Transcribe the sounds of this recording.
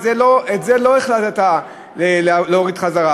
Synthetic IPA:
zeloetzelo̞eχlatet̪a | lelloʁid̪χazaʁa

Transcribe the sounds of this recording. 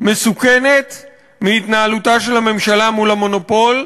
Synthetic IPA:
me̞sukene̞t̪ | miit̪naːlut̪aʃe̞lhame̞mʃalamulamo̞no̞po̞l

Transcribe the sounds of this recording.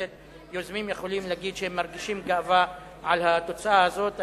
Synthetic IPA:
et̪ | jozmimjeχo̞limleaɡid̪ʃehemːaʁɡiʃimɡaava | ʕalhat̪ot͡saahazo̞t̪

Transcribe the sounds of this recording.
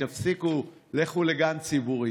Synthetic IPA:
afsikuleχuleɡant͡sibuʁi

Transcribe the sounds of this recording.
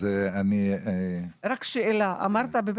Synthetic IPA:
eani | ɾakʃeelaʔa̰maʁt̪abeb

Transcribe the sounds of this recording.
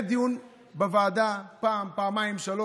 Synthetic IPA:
d̪iun | bɐvaːd̪apampamaimʃɐlo

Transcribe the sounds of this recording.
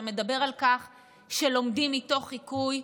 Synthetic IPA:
me̞dabe̞ʁalkaχ | ʃelo̞mdimːito̞χːikuj

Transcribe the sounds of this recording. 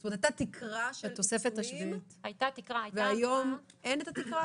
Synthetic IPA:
stomt̪ajt̪at̪ikʰʁaʃet̪o̞sefet̪aʃviut̪hajt̪at̪ikʁaajveajom | enet̪at̪ikʁa

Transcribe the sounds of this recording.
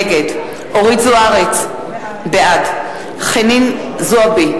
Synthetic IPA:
ɡed | oʁizuaʁet͡s | bead | χenin | zuabi

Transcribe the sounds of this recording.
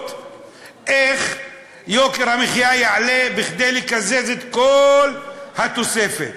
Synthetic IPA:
t̪ | ʔeχ | jokeɾhamiχjajaʕalebiχd̪ejlikazezet̪kolhat̪osefet̪

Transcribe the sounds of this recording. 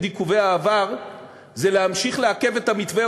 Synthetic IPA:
d̪ikuveaːvaʁ | zeleamʃiχleake̞ve̞t̪amit̪ve

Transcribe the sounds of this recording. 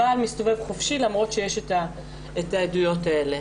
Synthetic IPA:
aːlmist̪o̞ve̞vχofʃilamʁo̞tʃejeʃeta | etaedujo̞taele

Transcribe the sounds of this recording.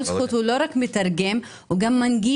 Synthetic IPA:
lsxut̪uloɾˤakmet̪ɑɾˤɡem | uɡamːanɡi

